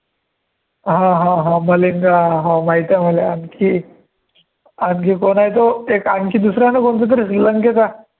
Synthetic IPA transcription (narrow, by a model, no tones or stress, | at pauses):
ɦãɦãɦãməliŋɡaɦãmaɦit̪jaməleankʰi | ankikonaɦjt̪oekãŋkiːd̪usɾanakont͡sət̪əɾisləŋkek̪a